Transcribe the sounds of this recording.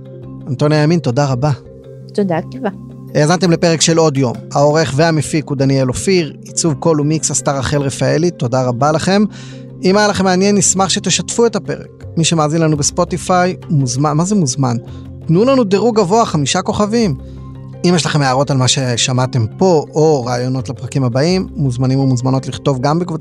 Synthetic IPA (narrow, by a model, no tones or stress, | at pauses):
ant̪o̞njajaminto̞daʁaba | t̪od̪akava | jazant̪e̞mle̞peʁekʃe̞lo̞d̪jo̞̰mao̞ʁeχveamefikud̪anjelofiʁit͡suvko̞lumiksastaʁaχe̞lʁefaelit̪o̞daʁabalaχe̞m | imajalaχe̞meanje̞nːismaχʃet̪eʃatfue̞tape̞ʁḛk | miʃemaːzinlanubespo̞tifajmuzmamazemuzman | tnulanudeʁuɡavo̞aχamiʃako̞χavim | imjɛʃlaχe̞meaʁo̞talmaʃe̞ʃamate̞mpo̞ʔoʁaːjo̞no̞tlapʁakimhabaimːuzmanimumuzmano̞tliχto̞vɡambekvo